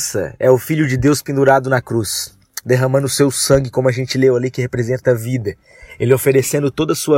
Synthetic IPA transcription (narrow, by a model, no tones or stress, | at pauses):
sɐ̰ɛʊfiʎʊd͡ʒɪd̪ewspĩnd̪uɾad̪ʊnɐkɾus | d̪eɦɐ̃mɐ̃nd̪ʊsewsɐ̃ŋɡɪkõmʊɐʒẽnt͡ʃɪlewɐlikɪɦepɾezẽnt̪ɐvid̪ɐ | elɪofeɾesẽnd̪ʊt̪od̪ɐsuɐ